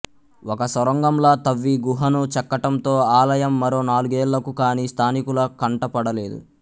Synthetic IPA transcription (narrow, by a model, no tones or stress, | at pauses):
wɔkɐsɐɾɐŋɡɐmlɐːt̪ɐʋːiɡuɦɐnut͡ʃɛkːɐʈɐmt̪o̞ːaːlɐjɐmːɐɾo̞ːnaːluɡeːɭːɐkukaːnist̪ʰaːnikulɐkɐɳʈɐpɐɽɐle̞ːd̪ṵ